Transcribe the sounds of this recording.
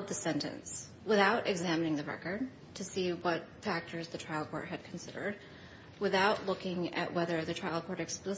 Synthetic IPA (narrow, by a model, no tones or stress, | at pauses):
d̪̚ðɨsɛ̃ntɨ̰̃ns | wɨθaʊɾʔɨɡzæmɨnɪ̃ŋðɨɹɛ̰kə˞d̚ | tʰɨsiwʌt̚fæk̚tʰə˞zðɨtʰɹ̥aɪlˠkʰɔ̰ɹt̚hɨd̚kʰn̩sɪɾə̰˞d̚ | wɨθaʊʔˡlʊkɪ̃ŋɨ̰ʔwɛðə˞ðɨtʰɹ̥aɪl̩ˠkʰɔɹɾɨksplɪ